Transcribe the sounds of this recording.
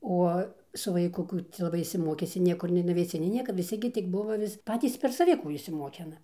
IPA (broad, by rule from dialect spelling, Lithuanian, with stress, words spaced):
ˈuɔ sʊ ʋɐɪˈkʊ ˈkuː t͡sʲɛ lˠɐˈbɐɪ ɪʃʲsʲɪˈmoːkʲɪsʲɪ ˈnʲiɛkʊr nʲɛɪ nʊʋʲɛɪˈsʲɪ nʲɛɪ ˈnʲiɛkɐ ʋʲɪˈsʲɪ ɡʲɪ tʲɪk ˈbʊʋɐ ʋʲɪs ˈpɑːtʲiːs ˈpʲɛr sɐˈʋʲɪ ˈkuː ɪʃʲsʲɪˈmoːkʲɪnɐ